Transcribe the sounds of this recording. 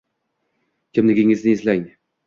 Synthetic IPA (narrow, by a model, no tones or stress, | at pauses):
kʲʰɪmlɪɡʲɪŋɪznɪezlæjŋ